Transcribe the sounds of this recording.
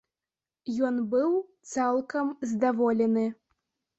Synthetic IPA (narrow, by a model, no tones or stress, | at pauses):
jɔnbɨwt̪salˠkɐmzd̪avɔlʲɛnɨ